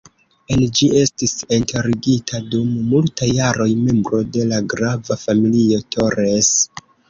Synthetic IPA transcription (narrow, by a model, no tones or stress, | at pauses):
end͡ʒie̞stisintʰeɾiɡitʰadumːultajaɾo̞jme̞mbɾo̞de̞laɡɾavafamilio̞to̞ɾes